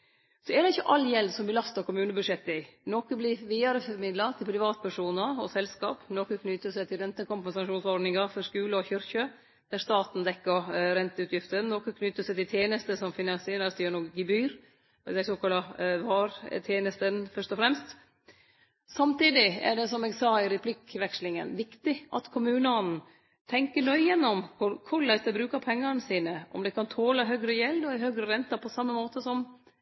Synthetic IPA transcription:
sɔɛɖ̪ɛɪçːəʔɑlːjɛlsɔmbəlɑst̪ɑɾkʊmʉːnəbʉd̪ʂɛt̪ːɪnɔkəblɪʋiːɑɾəfɔɾmɪd̪lɑt̪ɪlpʰɾɪʋɑːt̪̚pʰæʂuːnəɾɔsɛlskɑːpnoːkəkʰnʏt̪ːəsæɪt̪ʰɪlɾɛnt̪əkʊmpɛnsɑʂuːnsɔɖnɪŋɑfɔskʉːləɔçʏɾçə | d̪̥æɾst̪ɑːt̪n̩d̪ɛkːəɾɾɛnt̪əʉːt̪ʰjɪft̪ənnɔkəkʰnʏt̪ːəsæɪt̪ɪlt̪ʰjeːnəst̪əsɔmfɪnɑseːɾəst̪ːəɳɔɡɪbyːɾ | d̪æɪsoːkʰɑlːɑʋɑːɾt̪ʰjeːnəst̪ənfœʂt̪ɔfɾɛmst̪ | sɑmt̪iːd̪ɪæ̰ɖɛsɔmɛɡsɑːɪɾɛpʰlɪkʋɛkslɪŋə̰nʋɪkt̪ɪʔɑ̰t̪kʰʊmʉːnəɔn̩ | t̪ʰɛŋkəɳœʏjɛnːɔmkʊkʰʊɭæɪst̪əbɾʉːkəɾpʰɛŋːɑɾnsiːnəʔɔ̰md̪ɛkɑnt̪ʰoːlɑɦœːɡɾəjɛld̪ɔɪɦøːɡɾəɾɛnt̪ɑpʰɔsɑmːəmoːt̪əsɔm

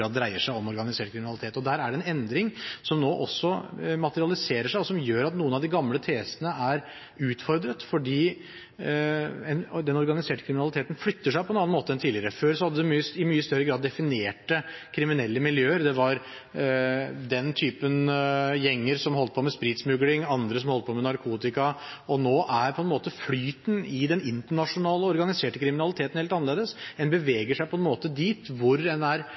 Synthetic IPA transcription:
ɑːd̪d̪ɾæɪəʂæɪɔmɔɾɡɑnɪseːʈkʰɾɪmɪnɑlɪt̪ʰeːt̪ɔd̪æːɾæɖɛnɛnd̪ɾɪŋsɔmnoːʔɔsːɔmɑt̪əɾɪɑlɪseːɾəʂæɪɔsɔmjøːɾɑt̪nuːənɑʋd̪ɪɡɑmlət̪ʰeːsənəʔæɾ | ʉːt̪fɔɾd̪ɾət̪fɔɖiː | ɛnd̪ɛnɔɾɡɑnɪseːʈə̥kʰɾɪmnɑlɪt̪ʰeːt̪n̩flʏt̪ːəʂ̬æɪpʰɔɛnɑnːnmoːt̪əɛnt̪ʰiːlɪəɾəføːɾsɔhɑd̪ːəd̪ɛmyːəɪmyːəst̪œɾːəɡɾɑːd̪ːɛfɪneːʈəkʰɾɪmɪnɛlːəmɪljøːəɾd̪ɛʋɑɾ | d̪ɛnt̪ʰyːpənjɛŋːəɾsɔmhɔlt̪əpʰɔmɛspɾiːt̪smʉɡlɪŋɑnd̪ɾəs̬ɔmhɔlt̪əpʰɔmɛnɑɾkʰuːt̪ɪkɑɔnoːʔæɾpʰɔɛnmoːt̪əflyːt̪n̩ɪd̪ɛnɪnt̪əɳɑʂʊnɑːləɔɾɡɑnɪseːʈəkʰɾɪmɪnɑlɪt̪ʰeːt̪n̩heːlt̪ɑnəleːd̪əsɛnbəʋeːɡəʂæɪpʰɔɛnmoːt̪əd̪iːt̪ʋʊɾɛnæɾ

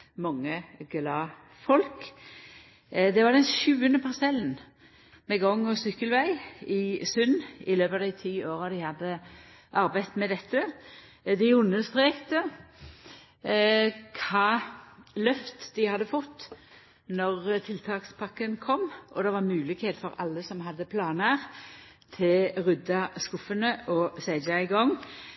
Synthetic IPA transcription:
mɑŋːəɡlɑː | fɔlk | d̪ɛʋɑʁd̪ɛnʃʉːənəpʰɑʁsɛlən | mɛɡɔŋːɔsʏkːəlʋæɪɪsʉnɪløːpɑd̪æɪt̪ʰiːoːɾɑd̪ɪhɑd̪ːə | ʔɑɾbæɪt̪mɛd̪ɛt̪ːə | d̪ɪʊnːəst̪ɾeːkt̪ə | kʰɑːlœft̪d̪ɪhɑd̪ːəfɔt̪ː | nɔʁt̪ʰɪlt̪ʰɑːkspʰɑkːənkʰɔmːʔɔd̪ɛʋɑʁmʉːlɪkheːt̪fɔɾɑ̰lːəsɔmɦɑd̪ːəpʰlɑːnæːʁ | t̪ʰɪlʁʉd̪ɑskʊfənəʔɔsæɪd͡ʒɑɪɡɔŋː

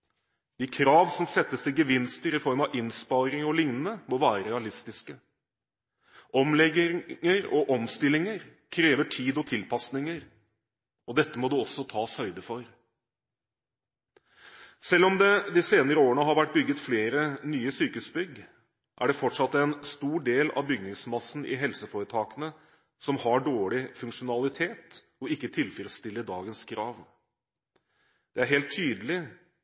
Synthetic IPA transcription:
d̪̥ikʰɾɑːʋsɔmsɛt̪ːəsd̪ɪɡəʋɪnst̪əɾɪfɔɾmɑʋɪnspɑːɾɪŋɔlɪŋnənəmɔʋæːɾəɾɾɛɑlɪst̪ɪskə | ʔɔmlɛɡɪəɾɔ̰ʔɔmst̪ɪlːɪŋəɾkʰɾeːʋəʈʰiːd̪ɔt̪ʰɪlpʰɑsnɪŋəɾ | ɔd̪ɛt̪ːəmɔd̪ʉɔsɔt̪ʰɑːshœʏd̪əfɔɾ | sɛlːɔmd̪ɛd̪ɪseːnəɾəoːɾəɳəɦɑɾʋæʈ̚bʏɡːət̪fleːɾənyːəsyːkəʉsbʏɡ | ʔæɖɛfɔʈʂɑt̪ːɛnst̪uːɖeːlɑ̰ʋbʏɡnɪŋsmɑsn̩ʔɪ̰ɦɛlsəfoːɾət̪ʰɑːkənə | sɔmhɑɖoːɭɪfʉŋkʂʊnɑlɪt̪ʰeːt̪ | ɔɪkːət̪ʰɪlfiɾəst̪ɪlːəɖɑːɡənskʰɾɑːʋ | d̪̥ɛæɾɦeːlt̪ʰːyːd̪əlɪ

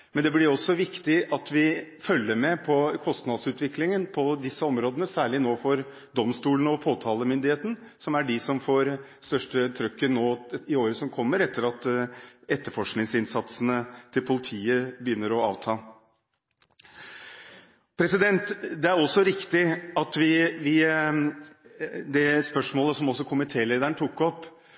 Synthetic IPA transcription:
mɛnd̪ɛblɪɾɔsːɔʋɪkt̪ɪʔɑt̪ʋɪfœlːəɾmɛpʰɔkʰɔst̪nɑd̪sʉːt̪ʋɪklɪŋənpʰɔd̪ɪsːəɔmɾoːd̪ənəsæːɭɪnoːfɔɾ | d̪ɔmst̪uːlən̩ɔpʰoːt̪ʰɑːləmʏnd̪ɪheːt̪ən̩ | sɔmæɖɪsɔmfoːɾ | st̪œʂʈət̪ʰɾœkːənoːɪoːɾəsɔmkʰɔmːəɾɛt̪ːəɾɑt̪ɛt̪ːəɾfɔʂknɪŋsɪnsɑt̪sənət̪ʰɪlpʰʊlɪt̪ʰiːəbəjʏnːəɾɔɑ̰ːʋt̪ʰɑː | pʰɾɛsɪd̪ɛnt̪d̪ɛæɾɔsːɔɾɪkt̪ɪɑt̪ʋɪʋɪ | d̪ɛspœʂmoːləsɔmɔsːɔkʰʊmənt̪ʰeːleːd̪æɳt̪ʰʊkːɔpː

